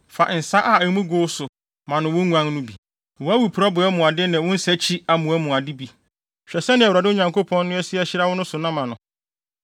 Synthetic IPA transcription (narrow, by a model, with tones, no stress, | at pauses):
fa˨n̩˨sa˦ʔa˦˨æ˨˦mũ˦ɡʊ˦sʊ˨ | mã˨nʊ̃˨wʊ̃˦ŋʷ˦ã˦ŋnʊ̃˦bi˨ | wʊ̃˦a˦wu˨pʰu˨ɾɔ˦bʊ˨ɛ˦mʊ̃˨a˨dɪ˦nɪ̃˨wʊ̃˦n̩˦sɛ˦t͡ɕʰi˦a˨mʊ̃˨ɛ˦mʊ̃˨a˨dɪ˦bi˨ | ɕᶣɛ˨sɛ˦nɪ̃˨ɛ˨wɾa˨dɪ˦o˦ɲã˨ŋkʰo˦pʰɔ̃˦nː˦ʊ̃˦ɛ˦sɪ˦ɛ˦ɕɪ˦ɾa˦wʊ˦nʊ̃˦sʊ˨nã˦mã˨nʊ̃˨